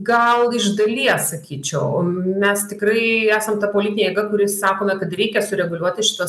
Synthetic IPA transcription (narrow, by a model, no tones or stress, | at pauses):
ɡɐlˠɪʒd̪ɐlʲiɛssɐkʲiːt͡ʃʲɛʊmʲɛst̪ʲɪkɾɐɪæːsɐmt̪ɐpoːlʲɪt̪ʲɪnejɛɡɐkʊɾʲɪssɑːkoːmʲɛkɐt̪ɾʲɛɪkʲɛsʊɾʲɛɡʊlʲuɔt̪ʲɪʃʲɪ̥t̪ɐ